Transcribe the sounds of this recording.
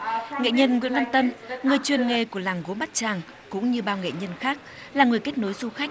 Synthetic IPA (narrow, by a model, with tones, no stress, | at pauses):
ŋḛ˧˨ɲə˧nŋwḭ˧˥ənvaː˧nt̪ə˧nŋɨ˨˩əjt͡ɕwi˨˩nŋe˨˩ku˧˩əlaː˨˩ŋɣo˨˦nɓa˦˥t̚t͡ɕaː˨˩ŋ | kʊ̰˧˥ŋ͡mɲɨ˧ɓaː˧wŋḛ˧˨ɲə˧nxaː˦˥k̚ | laː˨˩ŋɨ˨˩əjke˦˥t̚no˨˦jzu˧xa˦˥jk̟̚